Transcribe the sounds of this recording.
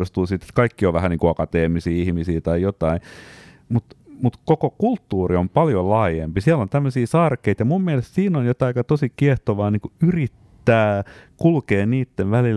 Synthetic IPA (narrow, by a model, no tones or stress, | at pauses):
ost̪uːsit̪ːe̥t̪kɑikːioʋʋæhæniːŋkuɑkɑt̪eːmisiːihmisiːt̪ɑijot̪ɑi | mut̪mut̪kokokult̪ːuːriompɑljolɑːjempisiælont̪æmːøsiːsɑrkeit̪jɑmummiɛlest̪siːnonjot̪ɑikɑt̪osikieht̪oʋɑːniːŋkuyrit̪ːæːkulkeːnniːt̪ːenʋælil